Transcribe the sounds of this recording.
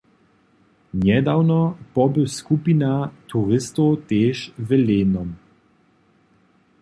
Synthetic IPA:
njɛd̪awnɔpɔbɛwskupinat̪ʰuɾist̪ot̪eːʃvɛleːnɔm

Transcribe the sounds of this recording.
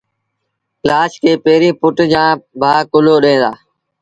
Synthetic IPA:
klaːʃkʰeːpeːɾĩːpʊʈd͡ʒãːbʱaːkʊloːɗẽːd̪a̰ː

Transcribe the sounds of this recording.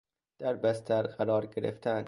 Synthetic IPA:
d̪̥æɾbæst̪ʰæɾɢæɾɒːɾɟeɾḛft̪ʰænd̪

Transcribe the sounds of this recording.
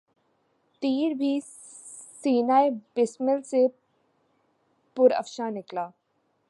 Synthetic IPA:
t̪iːɾbʱi | siːnaːebɪsməlse | pʊɾɐ̰fʃanɪklaː

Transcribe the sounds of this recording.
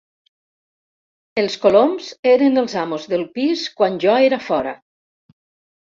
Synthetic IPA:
elˠskolomzeɾenəlˠzamozðəlˠpiskwanʲʒɔeɾafɔɾa̰

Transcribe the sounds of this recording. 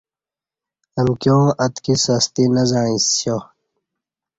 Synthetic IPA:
ɐmkjõːʔɐt̪kisɐst̪inɐzãĩsjo

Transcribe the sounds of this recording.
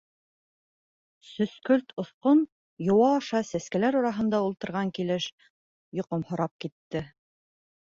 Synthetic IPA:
sɵ̆skɵlt̪ʰŏθqon | jŏwɑːʃɑsæskælæɾɑɾɑɦɤ̆nd̪ɑulˠt̪ɤ̆ɾʁɑŋkilɘʃ | jŏqomhŏɾɑp̚kit̪ːɘ

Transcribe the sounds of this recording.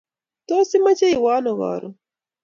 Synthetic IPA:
t̪osimat͡ʃeiwɑːnoɣɑ̰ːɾu

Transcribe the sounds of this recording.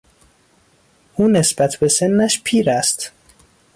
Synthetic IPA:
ʔuːne̞sb̥æt̪ʰbe̞se̞nːæʃpʰiːɾæst̪

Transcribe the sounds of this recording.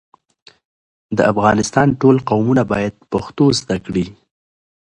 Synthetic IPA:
d̪əafɣɑnɪst̪ɑnʈolqawmunabɑjad̪̚paxt̪ozd̪akɽi

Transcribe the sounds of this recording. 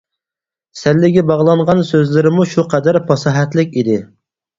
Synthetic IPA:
sɛlːɪɡʲɛbɑʁlˠɑɴʁɑnsøzlɪɾɪmuʃuqʰɛd̪æɾpʰɑsɑɦɛt̪lɪkʲid̪ɪ

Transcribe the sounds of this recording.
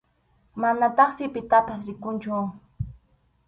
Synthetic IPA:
manat̪ɑχsɪpɪt̪apasɾɪkʊnt͡ʃʊ

